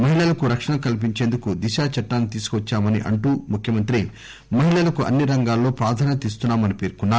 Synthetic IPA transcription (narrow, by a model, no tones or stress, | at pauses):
mɐɦiɭɐlɐkuɾɐkʂɐɳɐkɐlip̬iɲt͡ʃe̞ːnd̪ukud̪iʃaːt͡ʃɐʈːaːnit̪iːsu̥kuʋɐt͡ʃːaːmɐnḭʔɐɳʈuːmukʰjɐmɐnt̪ɾi | mɐɦiɭɐlɐkuʔɐ̰nːiɾɐŋɡaːlːo̞ːpɾaːd̪ʱaːnɐt̪iːs̬t̪unːaːmɐnipeːɾkunːaː